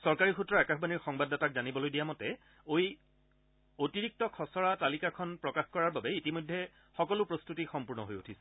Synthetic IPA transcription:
sɔɹkaɹixutːɹɔakaxʰbaniɹxɔŋbadɔtakzanibɔlojdijamɔtɛ | oj | otiɹik̚tɔkʰɔsɔɹatalikakʰɔnpɹɔkaxkɔɹaɹbabɛitimojdʱːɛ | xɔkɔlʊpɹostutixɔmpuɹnɔ̰ɦojotʰisɛ̥

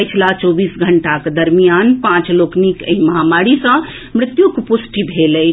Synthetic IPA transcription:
jt͡ʃʰlat͡ʃɔbisɡʱəɳʈaked̪əɾmijanpãt͡ʃloknikə̰ĩməɦamaɾisə̃ | mɾɪt̪jukpusʈibʱeləj

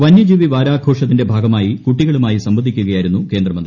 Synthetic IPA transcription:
ʋɐnjɐd͡ʑiːʋiʋaːɾaːɡʰʱo̞ːʂɐt̪̬ːinde̞bʱaːɡɐmaːjikuʈːiɣɐɭumaːjisɐmbɐd̪ʱːikʲːuɣɐjaːjiɾunːukeːnd̪rɐmɐnd̪ri

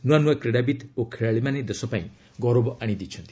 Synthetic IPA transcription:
nuwanũwakɾeɽabit̪okʰeɭaɭimaned̪esɔpaĩ | ɡɔɾobɔʔaɽ̃id̪it͡ʃʰɔnt̪i̥

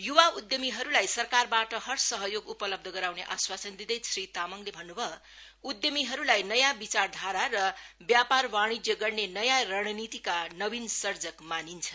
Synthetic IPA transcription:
juwaud̪jʌmiɦʌɾulajsʌrkarbaʈʌɦʌrsʌɦʌjoɡupʌlʌb̚d̪ʱʌɡʌɾawneʔaswasʌnd̪id̪ʌjsrit̪amʌŋlebʱʌnːubʱʌ | ud̪jʌmiɦʌɾulajnʌjabit͡sard̪ʱaɾaɾʌbjaparwaɽ̃id͡zjʌɡʌrnenʌjarʌɽ̃ʌnit̪ikanʌbinsʌrd͡zʌkmanint͡sʰʌ

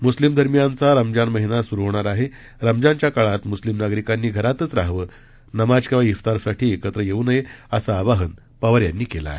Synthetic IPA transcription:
muslimd̪ʱəɾmijant͡saɾəmd͡ʑanməɦinasuɾuʋɳaɾaɦe | ɾəmd͡ʑãɲt͡ɕjakaɭat̪muslimnaɡɾikanːiːɡʱəɾat̪ət͡sɾaɦʋəː | nəmad͡ʑkeʋaift̪aɾsaʈʰiːekət̪ɾəjeunəjeasaːbaɦən | pəʋəɾjanːiːkela̰ːɦe

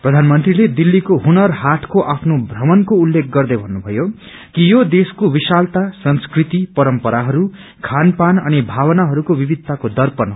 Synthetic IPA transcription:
prʌd̪ʱanmʌnt̪riled̪ilːikoɦunʌrɦaʈʰkoʔapʰnobʱrʌmʌnkoulːek̚ʰɡʌrd̪ʌjbʱʌnːubʱʌjo | kijod̪eskowisalt̪asʌnskrit̪ipʌɾʌmpʌɾaɦʌɾu | kʰanpanʌnibʱawʌnaɦʌɾukobibid̪ʱt̪akod̪ʌrpʌn

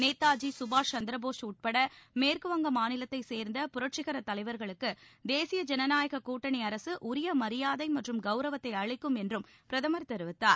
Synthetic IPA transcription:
neːt̪ːaːd͡ʒisʊbaːt͡ʃɐnd̪ɪɾɐboːʂuːʈ̚pɐɽɐmeːɾkɯʋɐŋɡɐmaːnɪlɐt̪ːɐɪseːɾnd̪ɐpʊɾɐʈ̚t͡ʃɪɣɐɾɐt̪ːɐlɐɪʋɐɾɣɐɭɯkːɯd̪eːsɪjɐd͡ʒɛnɐnaːjɐɣɐkːuːʈːɐɳiɐɾɐsɯʔʊɾɪjɐmɐɾɪjaːðɐɪmɐʈrɯmɡɐʊɾɐʋɐt̪ːɐɪɐɻɪkːɯmɛndrɯm | pɪɾɐðɐmɐɾt̪ɛɾɯʋɪt̪ːaːɾ

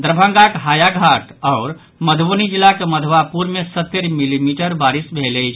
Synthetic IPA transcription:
d̪ɾəbʱə̃ŋɡakɦajaɡʱaʈɔːʊɾ | məd̪ʱbonid͡ʒilːakeməd̪ʱʋapuɾmesət̪ːeɾmilimiʈəɾbaɾisbʱeləɪt͡ʃʰ

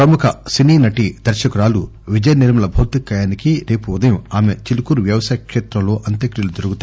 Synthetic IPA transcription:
pɾɐmukʰɐsiniːnɐʈid̪ɐɾʃɐkuɾaːluʋid͡ʒɐjɐniɾmɐlɐbʱɐːt̪ikːɐjaːnikiɾe̞ːpuud̪ɐjɐmaːmet͡ʃilukuɾuʋjɐʋɐsaːjɐkʂeːt̪ɾɐmlo̞ːʔɐnt̪ɐkɾilud̪oɾuɡut̪ː

